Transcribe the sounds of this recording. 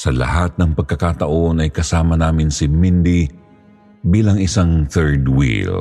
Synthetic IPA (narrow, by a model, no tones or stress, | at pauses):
sɐlɐ̰hat̪̚nɐŋpɐɡ̚kɐkaːt̪ɐʔo̞nɐjkɐsaːmɐnaːmɪnsɪmind̪i | biːlɐŋɪsaŋθɛɹd̪wḭl